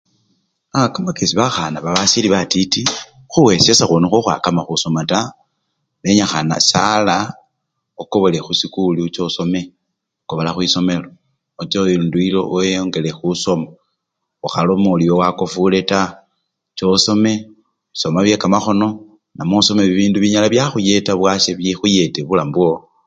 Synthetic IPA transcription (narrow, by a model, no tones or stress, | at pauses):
akamakesiβaxanaβaβasiliβatiti | xuwesesaxonuxoxwa̰kamaxuso̞mata | βeɲaxana̰sala | okoβolexusikulit͡ʃo̞so̞me̞ | koβolaxwiso̞me̞loː | t͡ʃeiuːnduilo̞̰ʔjoŋɡe̞lexuso̞ma | oxalomoliowako̞fule̞ta | t͡ʃo̞so̞me̞ | βiso̞maβje̞kamaxo̞no̞ | namoso̞meβiβiːnduβiɲalaβjaxuje̞taβwaʃeβjixuje̞teβulambuo